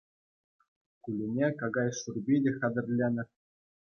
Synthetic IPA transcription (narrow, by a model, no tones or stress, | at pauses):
kulʲɘnʲekɑɡɑjʂurʲbʲidʲɘ̆xʲɑd̪ʲɘ̆rʲlʲenʲɘ̆